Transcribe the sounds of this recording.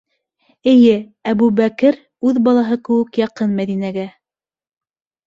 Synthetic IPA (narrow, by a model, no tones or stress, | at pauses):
ɘ̆jɘ | æβʉbækɘɾ | ʉðbɑlˠɑɦɤkɘ̆wɘ̆kjɑqɤnmæðinæɡæ